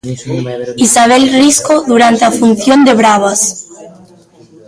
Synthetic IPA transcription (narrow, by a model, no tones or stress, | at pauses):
isaβ̞ɛlriskoðuɾant̪eafunθjond̪eβɾaβas